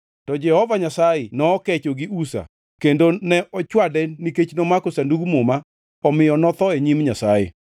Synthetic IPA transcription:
tɔd͡ʒɛhɔvaɲasajenɔːkɛt͡ʃoɡiusa̰ | kendonɛʔɔt͡ʃwadɛniket͡ʃnomakosanduɡumoma | ɔmɪjɔnɔt̪ɔeɲimɲasajḛ

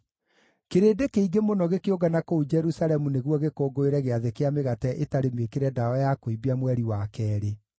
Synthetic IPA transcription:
keɾeːdekeiɡemonɔɣekeoɡanakoud͡ʒɛɾusaɾɛmuneɣwɔɣekoːɡoeɾɛɣeaðekeameɣatɛʔetaɾemekeɾɛdaɔjakoibiamwɛɾiwakɛːɾe

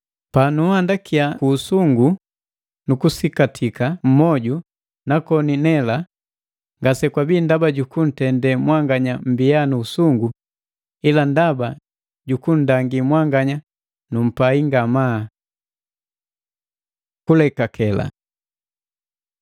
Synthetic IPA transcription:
panuhandakiakuːsuŋɡu | nukusikatʰikam̩mɔɟu | nakɔninɛla | ŋɡasɛkwabiːndabaɟukun̩tɛndɛmwaŋɡaɲam̩bijanuːsuŋɡu | ilandaba | ɟukun̩daŋɡimwaŋɡaɲa | num̩paiŋɡama | kulɛkakʰɛla̰

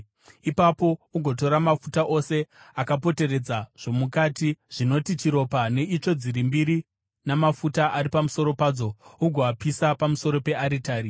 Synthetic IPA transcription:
ipapo̞uɡʱo̞t̬o̞ɾamafutaʔo̞se̞ | akapo̞te̞re̞d͡zaʐ̥o̞mukatiʐ̥ino̞tit͡ʃiɾo̞pane̞it͡ʂo̞d͡ziɾimbiɾi | namafutaʔaɾipamuso̞ɾo̞paːd͡zo̞uɡʱoapisapamuso̞ɾo̞pe̞aɾitaːɾi

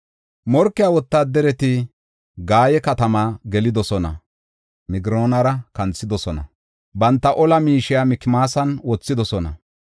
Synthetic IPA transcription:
mɔɾkːɪjaːwɔt̪ːaːd̪ɛɾɛt̪ɪ | ɡaːjɛkɐt̪ɐmaːɡɛlɪd̪ɔsɔnɐ̰ | mɪɡɪɾoːnɐɾɐkɐnt͡sːɪd̪ɔsɔnɐ̰ | bɐnt̪ːɐʔɔlɐmiːʃɪjamɪkːɪmaːsɐnwɔt͡sːɪd̪ɔsɔnɐ̰

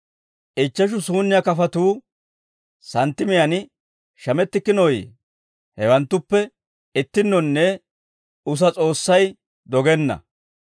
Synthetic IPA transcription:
ʔɪt͡ʃːɐʃ̬ʊsuːnːɪjɐkɐfɐt̪uː | sɐnt̪ːɪmɪjɐn | ʃɐmɛt̪ːɪkːɪnɔj | hɛwɐnt̪ːʊpːɛ | ɪt̪ːɪnːɔnːɛ | ʊs̬ɐt͡sʼo̞ːsːɐj | d̪ɔɡɛnːɐ̰

